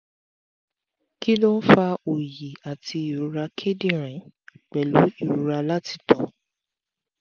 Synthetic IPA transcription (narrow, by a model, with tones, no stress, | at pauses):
ki˦lɔ˦fa˧o˨ji˨a˨tʰi˧i˨ɾu˨˧ɾa˧kʰe˦dĩ˦ɾ̃ɛ̃˨˦k͡pɛ˨lu˨˦i˨ɾu˨˧ɾa˧la˦ti̥˦˨tɔ̃˨